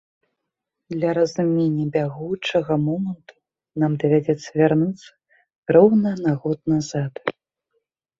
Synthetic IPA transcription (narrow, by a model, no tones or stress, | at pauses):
d̪lʲɐɾɐzumʲenʲːɐbʲaɣut͡ʂɐɣɐmɔmɐnt̪u̥ | namd̪ɐvʲad͡zʲɛt̪sːɐvʲarnut̪sːɐ̥ | rɔwnɐnaɣɔt̪̚nazat̪